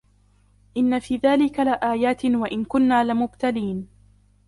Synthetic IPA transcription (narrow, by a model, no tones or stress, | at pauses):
ʔɪnːafiːðaːlɪkalɪʔaːjaːt̪ɪwaʔɪnkʊnːaːlɪmʊbt̪aliːn